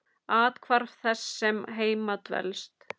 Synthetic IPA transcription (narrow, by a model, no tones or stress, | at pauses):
aːt̪kʰvaɾvθɛsːɛmɦeːjmat̪vɛ̰lst̪